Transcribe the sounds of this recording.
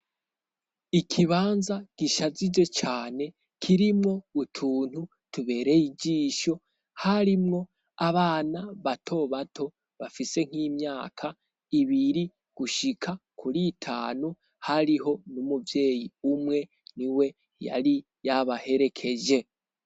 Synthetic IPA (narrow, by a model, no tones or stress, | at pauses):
ikʰiβaːnzaɡ̥iʃazid͡ʒwe̞t͡ʃaːne̞ | kʰiɾimŋo̞utʰuːn̥hu | tuβe̞ːɾe̞jid͡ʒiːʃo̞ | haɾimŋo̞ | aβaːnaβatʰo̞βatʰo̞ | βafise̞ŋ̥hiːmɲaːkʰa | iβiɾi | ɡ̥uʃikʰakʰuɾiːtʰa̰ːnu | haɾiɦo̞numuvje̞ːjiumŋe̞ | niwe̞ | ja̰ɾi | jaβahe̞ɾe̞kʰe̞d͡ʒe̞